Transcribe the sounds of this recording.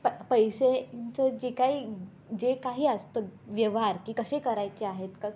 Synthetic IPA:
ppəjset͡səd͡ʑekaiː | d͡ʑekaɦiːəst̪əʋjəʋɦaɾkiːkəɕekəɾajt͡ɕeaɦet̪kə

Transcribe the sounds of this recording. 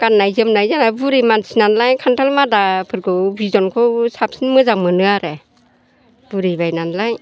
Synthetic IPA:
kanːajzɯmnajzanabuɾimansinanlajkʰantʰalmadapʰɯɾkɯwbizɔnkʰɯwsap̚sinmɯzaŋmɯnɯaɾe | b̥ɯɾibajnanlaj

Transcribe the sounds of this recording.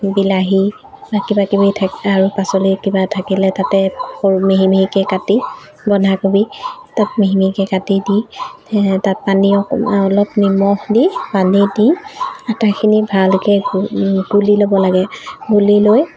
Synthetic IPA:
bilaɦi | bakibakibitʰaaɹupasolikibatʰakilɛtatɛomeɦimiɦikɛkati | bɔnʱakobitat̚meɦimikɛkatidi | tat̚paniɔɔlɔpnimɔhdipanidiatakʰinibʱalkɛ | ɡ̥ulilobɔlaɡɛɡuliloj

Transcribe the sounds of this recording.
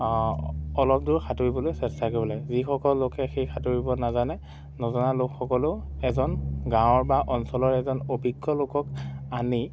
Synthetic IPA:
ɔlɔp̚dʊɹkʰatoɹibɔlojsɛstʰakɔbɔlazixɔkɔlːokɛxejxʰatoɹibɔnazanɛ | nɔzɔnalokxɔkɔlʊɛzɔnɡãw̃ɔɹbaʔɔnsɔlɔɹɛzɔnobʱiɡːɔlokɔkani

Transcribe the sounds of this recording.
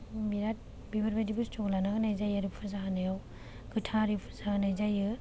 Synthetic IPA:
biɾat̚ | bibʰʱaɾbadibɯstɔɡlanaɡɯnajzajaɾippʰɯzaɦanɯjaw | ɡɯtʰaɾipʰɯ̥zanajzajɯ

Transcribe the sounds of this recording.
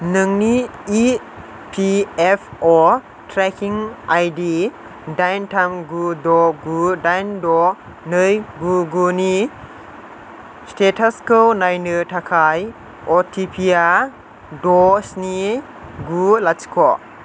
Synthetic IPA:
nɯŋni | pʰiepʰɔ | tʰɾɛkʰiŋajdi | dajntʰamɡudɔɡudajndɔ | nɯjɡuɡuni | stetʰaskɯwnajnɯtʰakʰaj | ɔtʰipʰia | dɔsni | ɡulat͡ʃi̥kʰɔ

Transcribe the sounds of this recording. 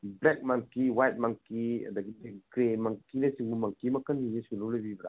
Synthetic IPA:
blɛk̚maŋkiwajt̚maŋkiɐ̰d̪ɐɡidekɾemaŋkinɐsiŋbumaŋkimɐkʰɐnːinisunulɐbibɾa̰

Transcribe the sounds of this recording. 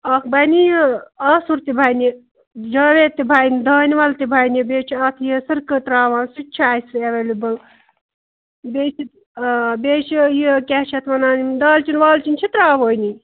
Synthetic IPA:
ɐk̪ʰbɐjnijɐsuɾt̪ibʱaːjni | d͡ʒɐʋet̪ibʱaːjnid̪ɐːniʋɐlt̪ibʱajnibeːt͡ʃʰiɐt̪ʰjisɨɾkɨt̪ɾaːʋaːnsit͡ʃʰiaːjsɾeʋelibɐl | beːt͡ʃʰi | beːt͡ʃʰijikʲeɦt͡ʃʰɐt̪ʰmɐnaːnid̪ɐːlt͡ʃinʋaːlt͡ʃinʲt͡ʃʰit̪ɾaːʋoːjni

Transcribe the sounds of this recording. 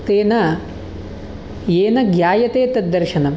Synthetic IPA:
t̪eːnɐ | jeːnɐɡjaːjɐt̪eːt̪ɐd̪ːɐɾʃɐnɐm

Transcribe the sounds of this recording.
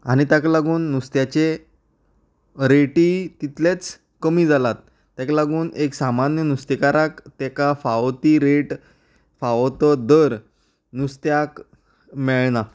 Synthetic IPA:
a̰ɽ̃it̪jaklaɡuːnːust̪jat͡ɕe | ɾeʈiːt̪it̪let͡s | kəmiːd͡zʱalat̪ː | jaklaɡuːneksamanjənust̪ekaɾakt̪ɛkafaʋt̪iːɾeʈ | faʋt̪əd̪əɾ | nust̪jak | mɛɭna

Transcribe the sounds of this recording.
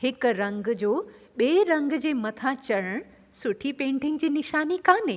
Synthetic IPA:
hɪkɾɐ̃ŋɡd͡ʑoː | ɓeːɾɐ̃ŋɡd͡ʑeːmɐt̪ʰat͡ɕɐɽəɽ̃ | sʊʈʰipẽːɳɖʱɪŋd͡ʑiːnɪʃaːnikãːneː

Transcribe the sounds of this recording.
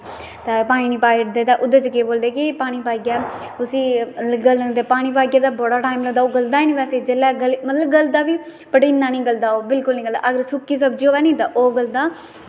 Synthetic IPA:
t̪apaːnĩːniːpaːʈd̪eːt̪aːʔʊd̪ət͡ʃəkeːboːld̪eːkɪpaːɽ̃iːpaːiɡjaː | ʊsiːɡəld̪eːpaːɽ̃ĩːpaːɡjaːt̪aːbɔːɽaːʈaːimləɡd̪aːoːɡəld̪aːiːnipɛːseːd͡ʒelːɛːɡəlmət̪ləbɡəld̪aːʋiː | pəʈiːnaːnĩːɡəld̪aːoːbɪlkʊlnĩːɡəld̪a̰ːʔəɡəɾsʊkːiːs̬əbd͡ʒiːɦoːɛːnĩːt̪aːʔoːɡəld̪aː

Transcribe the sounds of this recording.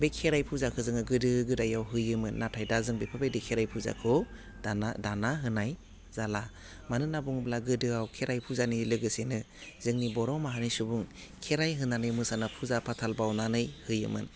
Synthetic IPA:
bekʰeɾajpʰuzakʰɯzɯŋɯɡɯdɯɡɯdajawɦɯjɯmɯnːatʰajdazɯŋbepʰabedikʰeɾajpʰuza̰kʰɯ | danadanaɦɯnaj | zala | manɯnabuŋblaɡɯdɯawkʰeɾajpʰuzanilɯɡɯsenɯ | zɯŋnibɔɾɔwmaɦanisubuŋ | kʰeɾajɦɯnanɯjmɯsanapʰuzapʰatʰalbawnanɯjhɯjɯ̰mɯ̰n

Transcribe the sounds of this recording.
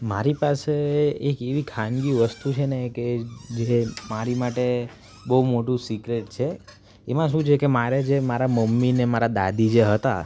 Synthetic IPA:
maɾipaseekeʋikʰanɡiʋəst̪ut͡ʃʰeneked͡ʒemaɾimaʈe | bəɦumoʈũsikɾeʈt͡ʃʰe | emãʃũt͡ʃʰekemaɾed͡ʒemaɾaməmːinemaɾad̪a̰d̪id͡ʒeɦət̪a̰

